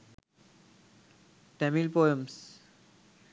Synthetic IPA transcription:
ʈɛmilpoems

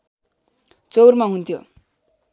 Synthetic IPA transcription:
t͡sowrmaɦunt̪ʰjo

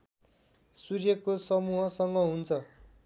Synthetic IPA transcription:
surjʌkosʌmuɦʌsʌŋɡʌɦunt͡sʰʌ

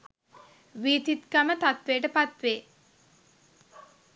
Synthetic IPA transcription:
ʋiːt̪it̪kamət̪at̪ʋejːʈəpat̪ʋeː

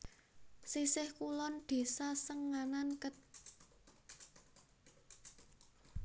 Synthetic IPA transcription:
sisɪhkulɔnd̪̥e̤sasəŋːanankət̪̚

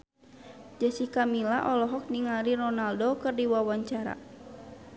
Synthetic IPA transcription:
d͡ʒəsikamilaʔɔlɔɦɔk̚niŋaɾirɔnaldokɨrdiwawaɲt͡ʃaɾa̰

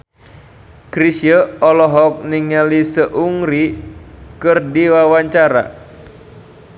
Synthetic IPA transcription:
kɾisijəɔlɔɦɔk̚niŋalisəʔuŋɾi | kɨrdiwawaɲt͡ʃaɾa̰

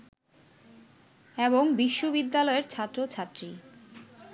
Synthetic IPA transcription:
eboŋbiʃːobid̪ːalɔeɾt͡ɕʰat̪ːɾot͡ɕʰat̪ːɾi

